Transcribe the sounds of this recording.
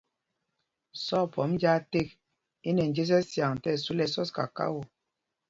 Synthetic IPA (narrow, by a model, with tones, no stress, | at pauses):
sɔ˦˨pɔ˨˦md͡ʒa˦te˦˨k̚ | i˦nɛ˨n̩˨d͡ʒe˦s̬ɛ˦sja˨ŋ˨tɛ˦˨su˦lɛ˦sɔ˦ska̰˨ka̰˦wo˨